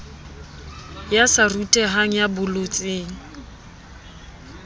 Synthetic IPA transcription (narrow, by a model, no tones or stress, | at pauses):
jasarutʼɛɦaŋ̩jabʊlot͡sʼeːŋ̩